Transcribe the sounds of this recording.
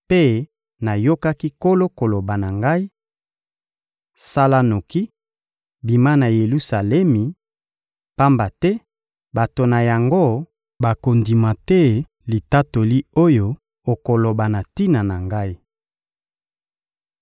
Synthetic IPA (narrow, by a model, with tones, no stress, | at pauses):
pe˦ | na˨jo˦ka˦ki˦ko˦lo˦ko˨lo˨ba˨na˨ŋɡa˦i˦ | sa˦la˦no˨ki˦ | bi˨ma˦na˨je˨lu˦sa˨lɛ˦mi˨ | pa˦mba˨tɛ˦ | ba˨to˨na˨ja˨ŋɡo˦ | ba˨ko˨ndi˨ma˨tɛ˦ | li˨ta˦to˨li˦o˦jo˦ | o˨ko˨lo˨ba˨na˨ti˦na˨na˨ŋɡa˦i˦